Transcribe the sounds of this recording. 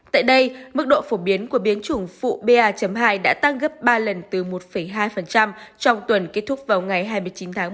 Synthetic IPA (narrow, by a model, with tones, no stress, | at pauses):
t̪a̰ː˧˨jɗə˧jmɨ˦˥k̚ɗo̰˧˨fo˧˩ɓi˨˦ənku˧˩əɓi˨˦ənt͡ɕɨ˧˩əŋfṵ˧˨ɓe˧ʔaː˧t͡ɕə˨˩mɦaː˧jɗa̰ː˧˥t̪a˦˥ŋɣə˦˥p̚ɓaː˧lə˨˩nt̪ɨ˨˩mo˨˩t̚fə˧˩jɦaː˧jfə˨˩nt͡ɕa˧mt͡ɕɔ˧wŋ͡mt̪wə˨˩nke˦˥t̚t̪ʰʊ˦˥k͡p̚vaː˨˩wŋa˨˩jɦaː˧jmɨ˧əjt͡ɕi˨˦nt̪ʰaː˨˦